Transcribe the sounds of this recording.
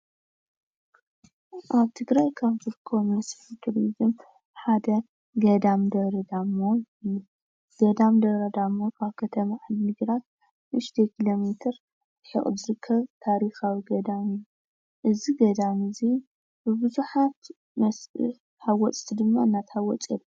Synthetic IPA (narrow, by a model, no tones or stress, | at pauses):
ʔaβt̪ʰɨɡɾajkʰaβzɨɾɨkʰːɐβmɐsfik̪ʰɾizɨm | ħad̪ɐ | ɡɐd̪amd̪ɐβɾɐd̪amːo | ju | ɡ̥ɐd̪amd̪ɐɾɐd̪amːokʰaβkʰɐt̪ʰɐmaʕalmɨɡɾat̪̚ | ɨʃt̪ʰekʰilo̞met̪ʰɨɾ | ħɨ̰χʼzɨɾɨkʰːɐβt̪ʰaɾixawiɡɐd̪amɨju | ʔɨziɡɐd̪amɨzi | bɨbɨzuħat̪ | m | hawɔt͡sʼt̪ʰid̪ɨmːaɨnːat̪hawɔt͡sʼelː